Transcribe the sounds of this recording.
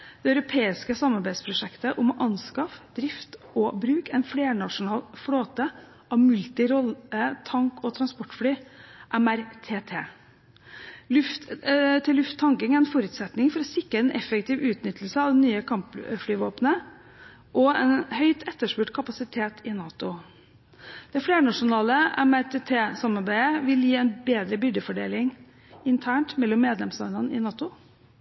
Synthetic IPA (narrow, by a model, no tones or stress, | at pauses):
d̪̥ɛɑʏɾʊpʰeːɪskəsɑmːɑɾbæɪd̪spʰɾʊʂɛkt̪əʔʊmʔɑnskɑfd̪̥ɾɪft̪ | ɔbɾʉːkɛɪnfleːɳɑʂʊnɑːlfɽoːt̪ə | ʔɑʋmʉlt̪ɪɾɔlːət̪ʰɑŋkɔt̪ʰɾɑnspɔʈːfɽyːʔɛmæɾt̪ʰeːt̪ʰeː | lʉft̪t̪ʰɪlːʉft̪t̪ʰːɑŋkəŋæɾɛnfɔɾʉːt̪sɛt̪nɪŋfɔɾɔsɪkːəɛnʔɛ̰fəkt̪ʰiːʋʉːt̪nʏt̪əl̩səɑd̪ɛnːyːəkʰɑmpfɽyːʋoːpnə | ʔɔɛ̰nhœʏt̪ʰɛt̪ːəʂpʉʈkʰɑpɑsɪt̪ʰeːt̪ʰɪnɑːt̪ʊ | d̪̥ɛfɽeːɾəɳɑʂʊnɑːləɛ̰mæɾt̪ʰeːt̪ʰeːsɑmɑɾbæɪəʋɪljiːɛɪnbeːd̪ɾəbʏɖ̪əfɔɖḛːlɪŋ | ɪnt̪ʰæːɳʈmɛlːɔmːeːd̪lɛmslɑnd̪ənəɪ̰nɑːt̪ʊ